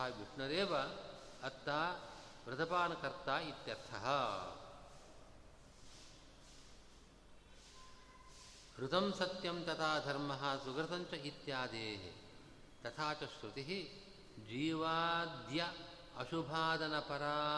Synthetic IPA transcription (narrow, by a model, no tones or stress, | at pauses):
aːʋiʂɳɐɾeːʋɐ | ɐt̪ːaː | ʋɾɐd̪ʱɐpaːnɐkɐɾt̪aːit̪jɐɾt̪ʰɐɦɐ | hɾut̪ɐmsɐt̪jɐmt̪ɐt̪ʰaːd̪ʱɐɾmɐɦɐsuɡɾɐt̪ɐɲt͡ʃɐit̪jaːd̪eːɦḭ | t̪ɐt̪ʰaːt͡ʃɐʃɾut̪iɦi | d͡ʒiːʋaːd̪jɐ | ɐʃubʱaːd̪ɐnɐpɐɾaː